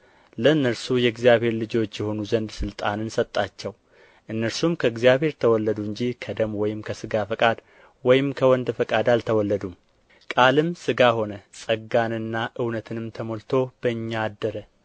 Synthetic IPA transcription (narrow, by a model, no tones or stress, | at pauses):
ləɨnːəɾsujɛɡzijaβhe̞ɾlɨd͡ʒo̞t͡ʃːjɛho̞nuzənd̪sɨlt̪ʼanɨnsət̪ʼːat͡ʃːɛw | ʔɨnːəɾsumkʰəɨɡzijaβhe̞ɾt̪ʰəwɔlːəd̪uɨɲd͡ʒihkʰəd̪əmwɔjɪmkʰəsɨɡafəkʼad̪ | wɔjɪmkʰəwɔnd̪fəkʼad̪alt̪ʰəwɔlːəd̪um | kʼalɨmsɨɡaho̞nəsʼəɡanɨnːaʔɨwnət̪ʰɨnɨmt̪ʰəmolt̪ʰo̞b̥əɨɲːaːd̪ːəɾə